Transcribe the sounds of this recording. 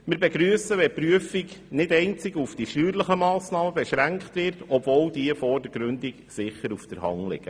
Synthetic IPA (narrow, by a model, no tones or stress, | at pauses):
mɪɾbeɡɾyəsəʋɛpɾyəfiɡnɪdɛɪnt͡sɪɡufd̥iʃtyːɾləχəmɑːsnɑːməbɛʃɾæŋkχtʋɪɾtɔbvɔːwdiəfɔrdəɾɡɾʉndiksɪχːəɾufd̥əɾhɑ̰ŋlɪ̰ɡ̥ə